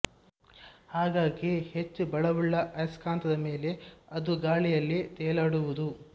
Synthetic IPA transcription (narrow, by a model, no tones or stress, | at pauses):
haːɡaːɡihet͡ʃːubɐɭɐʋuɭːɐʔɐjskaːnt̪ɐd̪ɐme̞ːle̞ɐd̪uɡaːɭijɐlːit̪ɛːɐlaːɽuʋud̪u